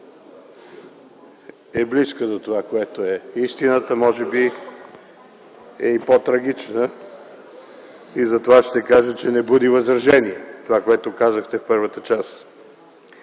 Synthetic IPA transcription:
ɛbliskəd̪ot̪ovakoɛt̪oɛist̪inət̪əmɔʒɛbi | ɛipot̪ɾɐɡ̟it͡ʃnə | izɐt̪ovaʃt̪ɛkaʒət͡ʃɛnɛbud̪ivɐzɾɐʒɛniɛt̪ovakoɛt̪okazəxt̪ɛfpɤɾvət̪ət͡ʃas

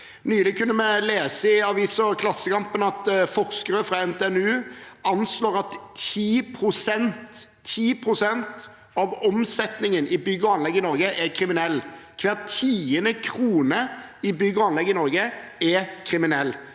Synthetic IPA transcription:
nyːlɪkʰʉnːəmɛleːsəɪɑʋiːsɔkʰlɑsːəkɑmpənɑt̪fɔʁskəɾəfʁɑɛnt̪ʰɛːɛnʉːɑnsloːʁɑt̪iːpʰɾʊsɛnt̪ʰː | iːpʰʁʊsɛnt̪ | ɑʋɔmsɛt̪nɪŋənɪbʏɡəɑnlɛɡːɪnɔʁɡəʔɛɾkʰɾɪmɪnɛlːkʰʋɛːʁt̪ʰiːənəkʰɾuːnəɪbʏɡəɑnlɛɡːɪnɔʁɡəɛkʰɾɪmɪnɛlː

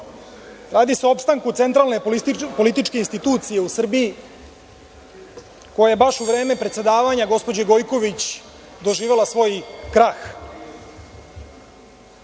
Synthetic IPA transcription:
ɾaːd̪iseo̞pst̪aŋkut̪e̞nt̪ɾalne̞po̞lit̪it͡ʃke̞inst̪it̪uːt̪sije̞usr̩biji | ko̞jajebaʃuʋɾe̞ːme̞pɾet̪se̞d̪aːʋaɲaɡo̞spo̞d͡ʑeɡo̞jko̞ʋit͡ɕ | d̪o̞ʒiːʋe̞lˠasʋo̞jkɾax

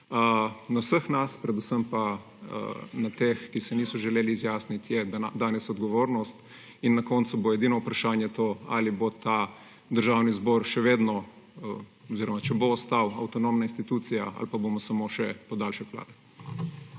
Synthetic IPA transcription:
ənawsəxnaspɾɛd̪usəmpa̰ | nat̪exkisɛniːsɔʒɛleːliːzjaːsnit̪jɛd̪d̪aːnɛsɔd̪ɡɔʋoːɾnɔst̪ | inːakɔːnt̪suboɛd̪iːnɔupɾaʃaːnjɛt̪oa̰libot̪a | d̪əɾʒaːwnizbɔːɾʃɛʋeːd̪nɔ | ɔziɾɔmat͡ʃɛboːst̪awɐwt̪ɔnoːmnainst̪it̪uːt̪sija̰a̰lpabomɔsamoʃɛpɔd̪alʃɛkla̰ːd̪ɛ

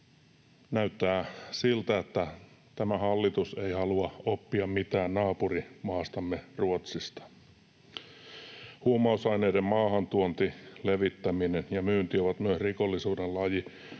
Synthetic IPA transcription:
næyt̪ːæːsilt̪æet̪ːæ | t̪æmæhɑlːit̪use̞ihɑluɑopːiɑmmit̪æːnnɑːpurimɑːst̪ɑmːeruot̪sist̪ɑ̥ | huomɑusɑjne̞jdemmɑːhɑnt̪uont̪ileʋit̪ːæminenjɑmyːnt̪ioʋɑt̪myøsriko̞lːisuːdellɑji

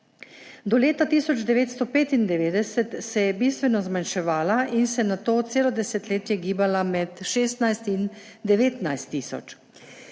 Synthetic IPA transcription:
d̪ɔleːt̪at̪iːsɔd͡ʒd̪ɛʋeːt̪st̪ɔpeːt̪ind̪ɛʋeːd̪ɛsɛt̪sɛjɛbiːst̪ʋɛnɔzmanʃɛʋaːlaʔinsɛnat̪oːt̪seːlɔd̪ɛsɛt̪leːt̪jɛɡiːbalamɛt̪ʃeːst̪najst̪in | d̪ɛʋeːt̪najst̪ːiːsɔ̰t͡ʃ

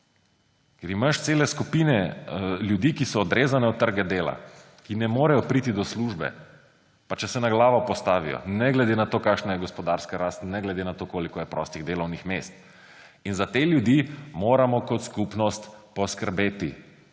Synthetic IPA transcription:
kɛɾimaʃt̪seːlɛskupiːnɛljud̪ikisɔːd̪ɾʔeːzanɛut̪ːəɾɡɛd̪eːla̰ | kinɛmoːɾajɔpɾit̪id̪ɔsluʒbɛ̰ | pat͡ʃɛsɛnaɡlaːʋɔpɔst̪aːʋḭjɔ̰nɛɡlɛd̪enat̪okaːkʃnajɛɡɔspɔd̪aɾskaɾast̪nɛɡlɛd̪enat̪okoːlikɔjɛpɾɔst̪iɣd̪eːlɔwnixmeːst̪ | inzat̪eljud̪imoːɾamɔkɔt̪skupnɔst̪pɔskəɾbeːt̪i

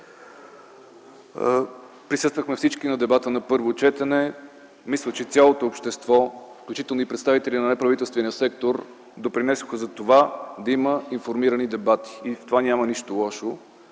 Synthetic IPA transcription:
pɾisɤst̪vəxmɛfsit͡ʃkinɐd̪ɛbat̪ənɐpɤɾvot͡ʃɛt̪ɛnɛ | mislˠət͡ʃɛt̪sʲalˠot̪oːpʃt̪ɛst̪vɔfklʲut͡ʃit̪ɛlˠnoipɾɛt̪st̪avit̪ɛlʲinɐnɛpɾɐvit̪ɛlˠst̪vɛnʲiəsɛkt̪oɾ | d̪opɾinɛsoxəzɐt̪ovad̪ɐiməinfoɾmiɾənid̪ɛbat̪i̥ːft̪ovanʲamɐniʃt̪olˠɔʃo

